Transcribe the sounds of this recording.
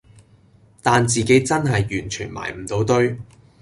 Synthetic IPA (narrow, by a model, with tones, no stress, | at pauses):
t̪aː˨nt͡siː˨ke˨˥jt͡sɐ˥nɦɐ˨jːyː˨˩nt͡ʃʰy̰ː˨˩nma̰ː˨˩jm̩˨˩t̪o˨˥wt̪ɵ˥ɥ